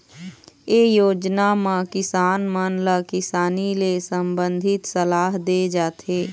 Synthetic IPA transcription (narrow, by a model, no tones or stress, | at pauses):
eːjoːd͡ʒnamãkɪsaːnmənləkɪsaːnilesəmbə̃nd̪ʱɪt̪səlaːɦd̪ed͡ʒaːt̪ʰeː